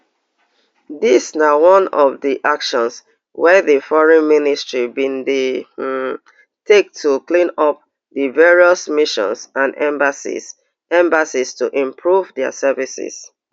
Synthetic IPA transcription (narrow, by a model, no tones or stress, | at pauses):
disnawɔ̃nɔvdiʔakʃɔ̃ns | wɛðəfɔɹɛ̃nministɹibĩnde | tek̚tʰuklĩnɔp̚ | dəvɛɹiɔsmiʃɔ̰̃nsãnɛ̃mbasḭs | ɛ̃mbasistuʔĩmpʰɹuvdɛa̰sɛvisḭs